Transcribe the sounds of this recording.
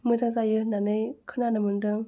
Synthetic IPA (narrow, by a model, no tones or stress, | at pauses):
mɯzazajɯnanɯjkʰɯnanɯmɯndɯm